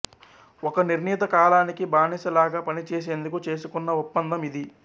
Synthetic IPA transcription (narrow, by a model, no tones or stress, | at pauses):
ɔkɐniɾniːt̪̬ɐkaːlaːnikibaːnisɐlaːɡaːpɐnit͡ʃeːs̬e̞ːnd̪ukut͡ʃe̞ːsukunːɐupːɐnd̪ɐmid̪i